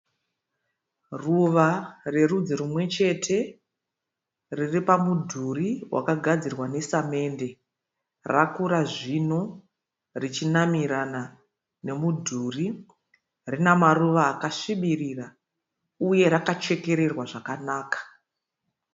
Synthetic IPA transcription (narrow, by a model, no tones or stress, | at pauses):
ruʋare̞rud͡ziɾumwe̞t͡ʃe̞tʰe̞ | riripamudʱuriwa̰kaɡʱad͡zirwane̞same̞nde̞ | rakuɾaʐino | rit͡ʃinamiɾana | ne̞mudʱuri | rinamaruʋaːkaʂiɓiriːra | uje̞ɾakat͡ʃe̞ke̞ɾe̞rwaʐakanaːkḁ